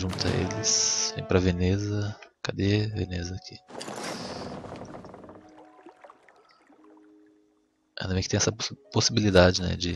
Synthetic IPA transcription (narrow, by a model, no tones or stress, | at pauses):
ʒũnt̪ʊɐ̰ḛlɪsvḛ̃j̃pɾɐvenezɐkad̪evenezɐkʰi | ɐ̃nd̪ɐmẽjkt̪ẽɛsɐposibilid̪ad͡ʒɪnɛ̰d͡ʒɪ